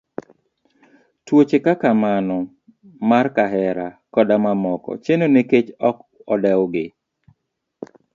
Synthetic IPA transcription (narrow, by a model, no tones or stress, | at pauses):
twot͡ʃekakamanɔ | markaɦɛɾakɔdamamɔkɔ̰t͡ʃenoneket͡ʃɔkɔdɛwɡɪ